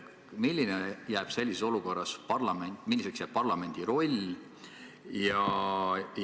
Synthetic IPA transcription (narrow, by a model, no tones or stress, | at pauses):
milʲːinejæːb̥se̞lʲːiseso̞luko̞rːɑspɑrlɑmenmilːiseksjæːb̥̚pɑrlɑme̞nʲd̪̥iɾo̞lʲ | jɑ | j